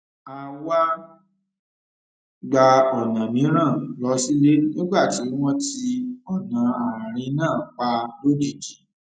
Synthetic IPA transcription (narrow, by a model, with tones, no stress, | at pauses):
a˧wa˦ | ɡ͡ba˧ɔ˨nã˨mĩ˨˦ɾ̃ã˦˨lɔ˧si˦le˦no˦ɡ͡ba˦˨ti˨˦w̃ɔ̃˦ti˧ɔ˦˨nã˨ã˨ɾ̃ĩ˧˦nãː˦˨k͡pa˧lo˦di˦˨d͡ʒi˨˦